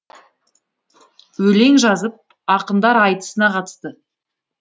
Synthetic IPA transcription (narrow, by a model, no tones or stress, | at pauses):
wɵle̞ŋʒɑzəp̚ | ɑqənd̪ɑɾɑjt̪ə̥sənɑqɑt̪ə̥st̪ə